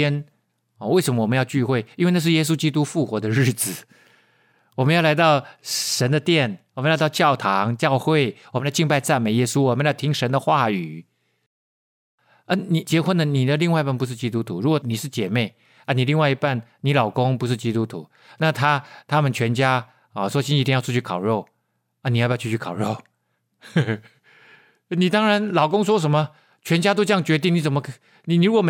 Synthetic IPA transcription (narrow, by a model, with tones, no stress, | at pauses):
ɛ˥n | ɔ˨we˥˩ɪʂə˧˥nmə˧wə˦jɑ˥˧ʊt͡ɕy˥˧xwe˥˩ɪi˥nwe˥˧na˥˧ʂ̬ɻ̩˥˩jɛ˥s̬u˥t͡ɕi˥t̪u˥fu˥˩xwɔ˧˥d̪ə˧ɻɻ̩˥˩t͡sɹ̩˨˩ | wɔ˨˩mə˦njɑ˥˩la˧˥ɪt̪ɑ˥˩ʊʂə˧˥nd̪ə˨t̪jɛ˥˩nwə˦n˥˧˥t̪ɑ˥˧ʊt͡ɕjɑ˥˩ʊt̪ʰɑ˧˦ŋt͡ɕjɑ˥˧ʊxwe˥˩ɪwmə˦na˧t͡ɕi˥˧ŋpa˥˧ɪt͡sa˥˩nme˧˥ɪjɛ˦˥su˦wɔ˨˩mə˦n˥jt̪ʰi˥ŋʂə˧˦nd̪ə˨xwa˥˩y˨˩ | ə˥˩ni˨˩t͡ɕjɛ˧˥xwə˥˦nd̪ə˨ni˨˩d̪ə˦li˥˧ŋwa˥˧i˧˥pa˥˩npu˧˥ʂ̬ɻ̩˥˩t͡ɕi˥t̪u˥t̪ʰu˧˥ɻu˧˥kwɔ˨˩ni˨˩ʂɻ̩˥˩t͡ɕjɛ˨˩me˥˩ɪ | ə˥˩ni˨˩li˥˧ŋwa˥˧ɪi˧˥pa˥˩nni˧˥lɑ˨˩ʊkʊ˥ŋpu˧˥ʂ̬ɻ̩˥˩t͡ɕi˥t̪u˦˥t̪ʰṵ˧˦ | na˥˩t̪ʰa˥t̪ʰa˥mə˨nt͡ɕʰɥɛ˧˥nt͡ɕja˥ | ɔ˨˩ʂwɔ˥ɕi˥ni˧t̪i˥˧jɑ˥˧ʊ˥˧˩t͡ɕʰy˥˩kʰɑ˨˩ʊɻo˥˩ʊ | ə˧˩ni˨˩a˥˧pʰt͡ɕʰy˥˩t͡ɕʰy˥˩kʰɑ˨˩ʊɻo˥˩ʊ | ni˨˩t̪ɑ˥ŋɻa˧˦nlɑ˨˩ʊkʊ˥ŋs̬wɔ˥ʂ̬ə˧˥nmə˨ | t͡ɕʰɥɛ˧˥nt͡ɕja˥t̪o˥ʊʈ͡ʂɤ˥jɑ˥˩ŋt͡ɕɥɛ˧˥t̪̬i˥˩ŋni˧˩t͡sə˨˩mə˦kʰ | ni˨ni˨ɻu˥wɔ˨˩m